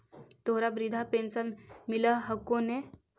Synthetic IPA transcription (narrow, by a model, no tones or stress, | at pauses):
t̪oɦɾabɾid̪ʱapẽːnsənmɪləɦəkːõne